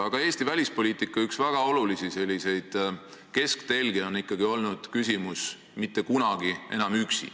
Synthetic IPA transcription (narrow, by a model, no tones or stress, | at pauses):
ɑɡ̥ɑe̞ːst̪ivælʲispo̞lʲiːt̪ːˑikːˑɑyksvæɡ̥ɑo̞lulisise̞lʲːise̞jd̪̥ | ke̞skt̪e̞lɡ̥eo̞nikːˑɑɡ̥io̞lnud̪̥kysʲimus | mit̪ːe̞kunɑɡ̥ie̞nɑmyksḭ